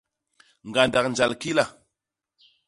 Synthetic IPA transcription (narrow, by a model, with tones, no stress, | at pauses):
ŋɡa˨nda˨knd͡ʒa˨lki˦la˨